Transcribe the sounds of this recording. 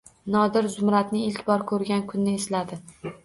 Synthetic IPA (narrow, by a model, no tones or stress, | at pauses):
nɒd̪ɪɾzʊmɾat̪nɪɪlkʲbɒɾkʰɵɾɡʲankʰʊnːɪeslad̪ɪ